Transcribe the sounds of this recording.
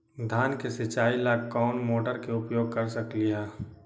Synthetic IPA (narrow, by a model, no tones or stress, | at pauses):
d̪ʱaːnkesɪt͡ʃaːilakkːɔːnmoːʈəɾkeʊpjoːɡ̚kɐɾsəklijaː